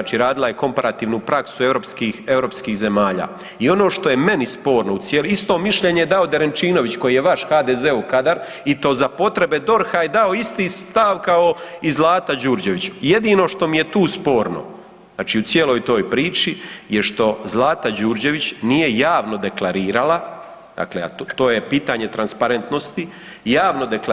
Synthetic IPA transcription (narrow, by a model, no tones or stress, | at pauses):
at͡ʃiɾaːd̪ilaje̞ko̞mpaɾat̪iːʋnupɾʔaksue̞ʋɾopskiːxe̞vɾo̞pskiːxze̞maːʎa̰ː | io̞no̞ːʃt̪o̞je̞me̞nispo̞ːɾno̞ut̪sjelist̪o̞ːmiʃʎe̞ɲejed̪ao̞d̪eɾent͡ʃiːno̞ʋit͡ɕko̞jijeʋaʃxaːd̪eːzeukad̪aɾ | it̪o̞zapo̞t̪ɾe̞be̞d̪o̞ɾxajed̪ao̞ist̪iːst̪aʋkao̞izlˠaːt̪ad͡ʑuːɾd͡ʑe̞ʋit͡ɕuje̞d̪iːno̞ʃt̪o̞mije̞t̪uːspo̞ːɾno̞̰ | zaːt͡ʃiːut̪sje̞lˠo̞ːjt̪o̞ːjpɾiːt͡ʃijeʃt̪o̞zlˠaːt̪ad͡ʑuːɾd͡ʑe̞ʋit͡ɕnije̞jaːʋno̞d̪e̞klˠaɾiːɾala | d̪̥a̰klḛa̰t̪oːje̞piːt̪aɲe̞t̪ɾanspaɾe̞nt̪no̞st̪ijaːʋno̞d̪e̞kla